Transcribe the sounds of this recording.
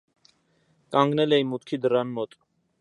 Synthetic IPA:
kɑŋɡnɛlɛimut̪kʰid̪ərɑnmɔt̪ʼ

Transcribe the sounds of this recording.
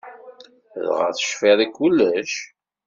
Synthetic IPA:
ðʁə̰θə̥ʃfiðˤikːulːəʃ

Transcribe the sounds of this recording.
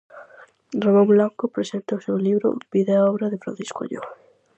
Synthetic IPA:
ramõmblaŋkopɾesent̪aʊsewliβɾʊ̰b̥iðeaɔβɾɐðefɾã̰nθi̥sko̰ʎo̰

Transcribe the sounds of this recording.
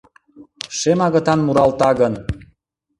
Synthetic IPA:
ʃemɑɣə̆t̪ɑnmuɾɑlt̪ɑɣən

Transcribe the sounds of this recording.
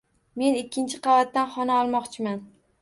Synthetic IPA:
me̞nɪkʲʰːɪnt͡ʃʰɪqʰɑvat̪̚ːanχɒnaɒlˠmɒqt͡ʃʰɪman

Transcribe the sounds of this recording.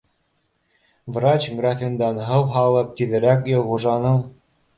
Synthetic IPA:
vrat͡ɕɡrafʲind̪ɑnɦɤwɦɑlˠɤp̚t̪iðɘ̆ɾækjɤ̆lˠʁuʐɑnɤɴ

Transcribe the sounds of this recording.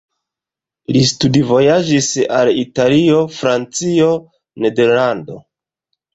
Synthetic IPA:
listudivo̞jad͡ʒisalitalio̞fɾant͡sio̞ | ne̞de̞ɾlando̞̰

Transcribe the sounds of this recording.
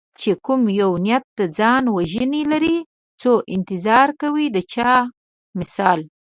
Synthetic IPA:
t͡ʃekʊmjawnijat̪̚ːd̪ad͡zɑnwaʒənilaɾi | t͡soʔɪnt̪ɪzɑɾkawid̪ət͡ʃɑ | mɪsɑl

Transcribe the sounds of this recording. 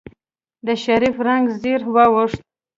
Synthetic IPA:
d̪əʃaɾifɾaŋɡziɾwawʊʂt̪̚

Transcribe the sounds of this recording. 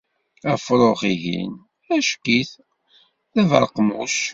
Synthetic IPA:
æfɾˤoχiʝḭn | æʃkiθ | θævɾˤqmuʃ

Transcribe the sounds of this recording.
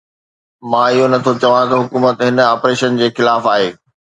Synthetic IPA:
mãːɪɦonɐt̪ʰot͡ɕɐʋãk̪ɐɦʊkuːmət̪ɦɪn̆aːpɾeːʃənd͡ʑeːxɪlaːfaːɦeː

